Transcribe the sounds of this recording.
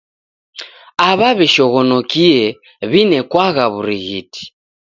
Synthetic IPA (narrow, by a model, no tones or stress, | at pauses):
aβaβɛʃɔɣɔnɔkiɛ | βinɛkwaɣaβuɾiɣiti̥